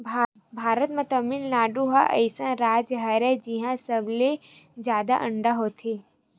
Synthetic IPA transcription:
bʱ | bʱaːɾət̪mẽt̪əminnaːɖuɦaʔɐ̰ɪsãnɾaːd͡ʒɦɐɾɛd͡ʒiɦãsɐblezjaːd̪a̰ʔə̃ɳɖaɦot̪ʰeː

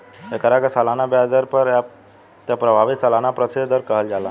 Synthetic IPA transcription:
ekəɾakesalanabjad͡ʒəɾpəɾ | t̪apɾəbʱaʋit̪səlanapɾəsed̪əɾkəɦəld͡ʒalã

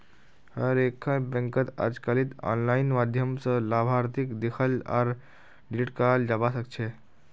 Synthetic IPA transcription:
həɾekʰːãbɛ̃ŋkət̪a̰d͡zkaliːt̪ɔ̰nlainmad̪ʱjəmsəlabʱaɾt̪ikd̪ekʰəla̰ɾ | ɖiliʈkald͡ʒabasək̚t͡ʃʰe

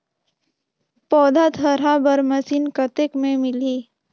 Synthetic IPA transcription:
pɔːd̪ʱat̪ʰəɾabəɾmɐsiːnkət̪ekmẽmɪliː

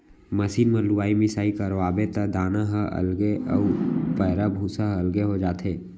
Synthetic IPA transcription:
mɐsiːnmɐluwaːimɪsaːikɐɾʋaːbet̪ɐd̪aːnaɦɐʔɐ̰lɡeɐpɛːɾabʱuːsaɦɐlɡeɦod͡ʒaːt̪eː

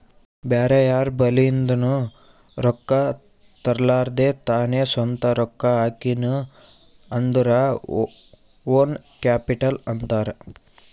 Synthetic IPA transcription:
baːɾɐjaːɾbɐlind̪unu | ɾɔkːa | t̪ɐɾlaːɾd̪et̪aːnesɐnt̪ɐɾɔkːaaːkinu | ɐnd̪uɾa | oːnkaːpiʈɐlɐnt̪aːɾɐ

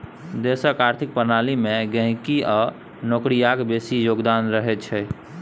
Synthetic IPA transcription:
d̪esəkaɾt̪ʰik̚pənalimeɡə̃ɦkia | nokɾijakbesijoɡd̪anɾəɦɛt͡ʃʰɛ

